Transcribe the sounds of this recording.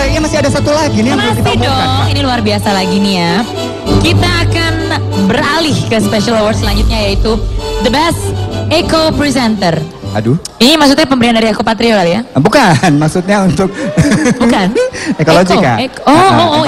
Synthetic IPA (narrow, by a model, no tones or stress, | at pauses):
ijamasiadasat̪ulaɡiniamakit̪aimdɔiniluarbiasalaɡiniap̚ | kit̪aːkan | bəɾalɪhkəspeʃialawardsəlaɲd͡ʒut̪̚ɲajait̪ud̪əbɛst̪ekopɾisɛnt̪ər | a̰du | inimaks̬ut̪̬̚ɲapəmbəɾiandaɾiakopat̪ɾiolalijabukanmaksut̪̚ɲaunt̪ʊk̚bukanekoloɡia̰ooʔ